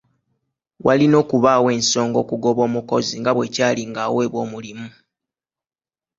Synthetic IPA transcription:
walino̞ːkuβawe̞ːnso̞ːŋɡo̞ːkuɡo̞βo̞ːmuko̞ziŋɡaβwe̞caːliŋɡawe̞ːβwo̞ːmulimu

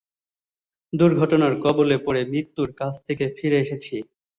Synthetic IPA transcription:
d̪uɾɡʱɔʈonaɾkɔbolepoɾemɾit̪ːuɾkat͡ɕʰt̪ʰekefiɾeeʃet͡ɕʰi

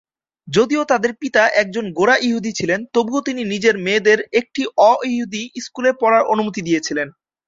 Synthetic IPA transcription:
d͡ʑod̪iot̪ad̪eɾpit̪aʔɛk̚d͡ʑonɡoɾaʔiɦud̪it͡ɕʰilent̪obuot̪ininid͡ʑeɾmeːd̪eɾek̚ʈiʔɔiɦud̪iiskulepɔɾaɾonumut̪id̪ijet͡ɕʰilen

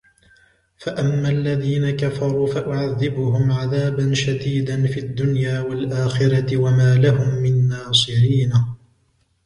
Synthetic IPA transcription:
faʔamːalːaðiːnakafɑɾˤuːfaʔʊʕaðːɪbʊɦʊmʕaðaːbanʃad̪iːd̪anfiad̪ːʊnjaːwalʔaːxɪɾɑt̪ɪwamaːlahʊmːɪnːɑːsˤɨɾiːna

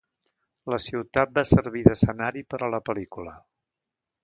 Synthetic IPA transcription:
ləsiwt̪at̪̚basəɾβ̞iðəsənaɾipəɾələpəlikulə

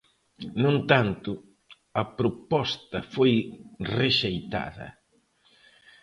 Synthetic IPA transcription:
nũnt̪ant̪ʊ | ɐpɾopɔst̪ɐfojreʃejt̪a̰ðɐ̰

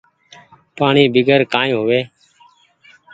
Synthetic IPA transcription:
paːɳiːbɪɡʱəɾkaːõːɦʊʋeː

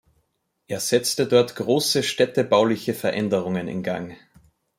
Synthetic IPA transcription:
ʔeːɐz̥ɛt͡stədɔɐtɡ̥ʁoːsəʃtɛtəbaʊlɪçəfɛɐʔɛndəʁ̞ʊŋənɪ̰nɡa̰ŋ

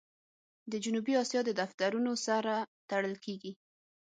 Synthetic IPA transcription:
d̪əd͡ʒunubiɑsjɑd̪əd̪aft̪aɾunosaɾat̪aɽəlkʰeɡi

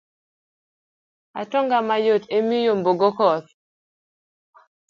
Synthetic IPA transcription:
a̰tɔŋɡamajotemijomboɡokɔt̪

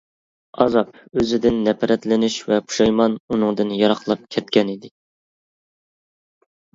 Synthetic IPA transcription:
ɑ̰zɑp̚øzɪd̪ɪnːɛpʰɛɾɛt̪lɪnyʃvɛpʰu̥ʃɑjmɑnunɨŋd̪ɨnjɑɾɑχlˠɑp̚kʲʰɛt̪̚kʲɛnid̪ɪ

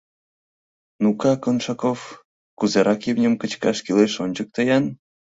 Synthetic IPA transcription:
nukɑkonʃɑkof | kuzeɾʔɑkjiwnʲə̆mkət͡ɕkɑʃkileʃonʲd͡ʑək̚t̪əjɑn

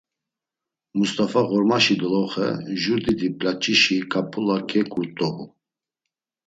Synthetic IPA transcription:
must̪ʼafaɣɔɾmaʃid̪ɔlɔχɛ̰ʒuɾd̪id̪ipʼlat͡ʃʼiʃikʼapʰʼulakʰʼɛkʼuɾt̪ʼɔhu

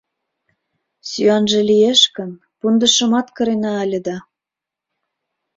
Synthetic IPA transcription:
syɑnʒĕlijeʃkə̆n | pund̪ə̆ʃə̆mɑt̪kɤ̆ɾenɑːlʲə̆d̪ɑ

